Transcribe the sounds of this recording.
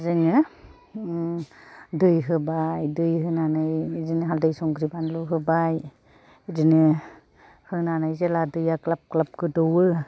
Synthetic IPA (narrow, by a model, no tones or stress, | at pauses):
zɯŋɯ | dɯjɦɯbajdɯjɦɯnanɯjdɯnɯɦaldajsɔŋɡɾibanlɔɦɯbaj | idɯnɯ | hɯnanajzeladɯjaklap̚klap̚kɯdɔwɯ